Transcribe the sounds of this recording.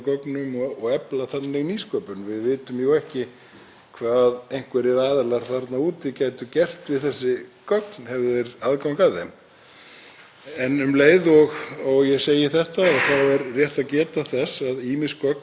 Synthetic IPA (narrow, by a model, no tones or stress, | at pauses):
kɔknʏmɔɔɣɛplaθanːɪɣniːskœːpʏnvɪðvɪːt̪ʏmjuwɛhcɪ | kʰvaːðejŋ̥kvɛɾɪɾaːðɛlaɾ̥θaɾt̪nauːt̪ɪcaːjt̪ʏcɛr̥t̪vɪðθɛsːɪkœknhɛvðʏɛɾaðkawkaðɛm | ɛnʏmleːjðɔɣɔɣjɛɣseːjɪθɛht̪aɔɣθawɛɾrjɛht̪aðcɛːt̪aθɛsaðiːmɪskœk̪̚